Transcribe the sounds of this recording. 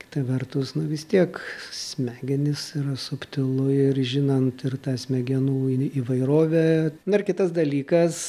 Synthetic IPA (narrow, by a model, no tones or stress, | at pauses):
kʲɪ̥t̪ɐʋʲɛrt̪ʊsnʊʋʲɪst̪ʲiɛksʲmʲæːɡʲɛnʲɪsiɾɐsʊpʲt̪ʲɪlˠʊɪrʒʲɪnɐnt̪ɪrt̪ɑːsʲmʲɛɡʲɛnuːiːʋɐɪɾoːʋʲɛnʊɪrkʲɪt̪ɐsd̪ɐlʲiːkɐs